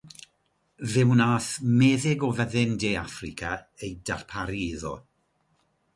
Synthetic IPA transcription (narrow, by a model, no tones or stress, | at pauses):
vɪwnaːθmeːðɪɡɔvəðɪndejafrɪkʰa | ejdarpʰaɾiɪðɔ̰